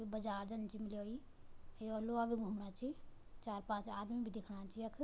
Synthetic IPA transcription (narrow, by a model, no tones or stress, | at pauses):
ibəd͡ʒaːɾd͡ʒənt͡ʃimiloi | eoloabʱiɡʱumɽat͡ʃʰi | t͡ʃaːɾpãːt͡ʃaːd̪mibʱid̪ekʰɽat͡ʃʰiəkʰ